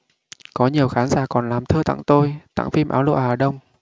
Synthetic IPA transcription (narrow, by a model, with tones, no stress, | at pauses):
kɔ˨˦ɲi˨˩əwxaː˨˦nzaː˧˩kɔ˨˩nlaː˨˩mt̪ʰəː˧t̪a̰˧˨ŋt̪o˧jt̪a̰˧˨ŋfi˧mʔaː˨˦wlṵ˧˨˩ʔaː˨˩ɗə˧wŋ͡m